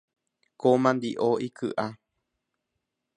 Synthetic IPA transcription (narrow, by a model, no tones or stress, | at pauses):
komãnd̪iʔoikʰɨ̰ʔa